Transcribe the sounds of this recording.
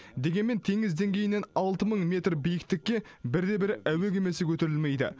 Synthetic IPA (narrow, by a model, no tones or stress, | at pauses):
d̪e̞ɡʲe̞nme̞nt̪ʰeŋɪzd̪e̞ŋɡʲe̞jɪne̞nɑlˠt̪əməɴmʲe̞t̪rbijɪkt̪ɪkʲːe̞ | bɪɾd̪e̞bɪɾæwe̞k̬ʲe̞me̞sɪkʲʰɵt̪e̞ɾɪlme̞jd̪ɪ̰